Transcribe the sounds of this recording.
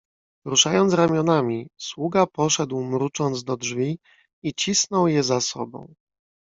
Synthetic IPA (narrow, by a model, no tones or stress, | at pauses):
ɾuʂajɔnt̪sɾamʲjɔnamʲiswuɡapɔʂɛd̪wmɾut͡ʂɔnd̪zd̪ɔdʐvʲi | it͡ɕisnɔwjɛzasɔ̰bɔ̰̃w̃